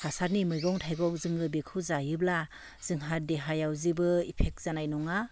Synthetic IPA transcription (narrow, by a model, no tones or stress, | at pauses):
hasaɾnimɯjɡɔŋtʰajɡɔk̚zɯŋɡɯbikʰɯzajɯb̚la | z̥ɯŋɦadeɦajawzibɯipʰek̚z̥anajnɔŋa